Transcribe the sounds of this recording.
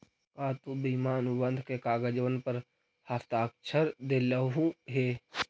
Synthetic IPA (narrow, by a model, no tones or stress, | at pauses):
kaːt̪ubimaːnubə̃nd̪ʱkekaːɡad͡ʒəʋənpəɾ | haft̪aːk̚t͡ʃʰəɾd̪eːləɦũɦeː